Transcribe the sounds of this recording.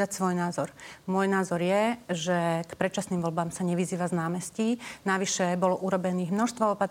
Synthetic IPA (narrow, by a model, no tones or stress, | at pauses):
acsʋɔjnaːzɔɾmʊɔjnaːzɔɾjɛʒɛkpɾɛt͡ʃasniːmʋɔlbaːmsaɲɛʋiziːʋaznaːmɛscinaʋiʃɛbɔlɔʔuɾɔbɛniːɣmnɔʃst̪ʋɔɔpat̪